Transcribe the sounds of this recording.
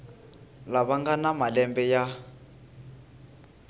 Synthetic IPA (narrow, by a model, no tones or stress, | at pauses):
laβaŋɡanamalɛmbɛja